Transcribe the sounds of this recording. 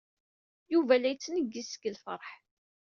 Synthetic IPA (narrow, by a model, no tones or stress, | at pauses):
juvælæjt͡sːnəɡːisə̥ɡəlfəɾˤħ